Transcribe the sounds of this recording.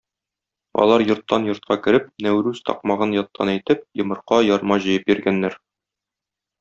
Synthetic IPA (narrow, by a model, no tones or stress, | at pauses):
ɒ̰lˠɑɾjŏɾt̪ːɑnjŏɾt̪̚qɑkɘ̆ɾɘp̚næwɾʉzt̪ʰɒ̰q̚mɑʁɤnjɒt̪ːɑ̰næjt̪ɘp̚jɤ̆mɤ̆ɾqɑjɒɾmɑʑɤ̆jɤp̚jiɾɡænːæɾ